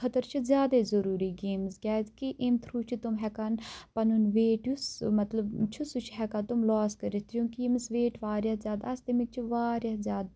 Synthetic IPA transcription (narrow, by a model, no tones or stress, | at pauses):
xət̪əɾt͡ʃʰɨzʲjaːd̪eːzəɾuːɾiːɡeːmsɡʲɛːt̪kiʔɪmt̪ʰɾuːt͡ʃʰit̪ʊmɦɛkanpɐnunʋeːʈjusmɐt̪ləbt͡ʃʰusut͡ʃʰɦɛkaːt̪ʊmlɔːskəɾet̪ʰjũːkimsʋeːʈʋaːɾjaːzjaːd̪ast̪emik̚t͡ʃʰʋaːɾjaːzʲjaːd̪